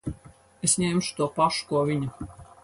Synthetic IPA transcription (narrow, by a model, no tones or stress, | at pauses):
esɲʲemʃu̥t̪uɔpaʃu̥kuɔvʲiɲu